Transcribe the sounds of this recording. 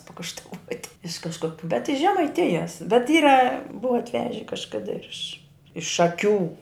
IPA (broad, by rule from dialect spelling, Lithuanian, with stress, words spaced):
pɐkɐʃtɐˈʋuɔtʲɪ ɪʃ kɐʃˈkoːk bʲɛt ɪʃ ʒʲɛmɐɪˈtʲɪjɛs bʲɛt ˈiːrɐ ˈbʊʋɐ ɐtʲˈʋʲæːʒʲɛ kɐʃˈkɑːdɐ ɪr ɪʃ ɪʃ ʃɐˈkʲuː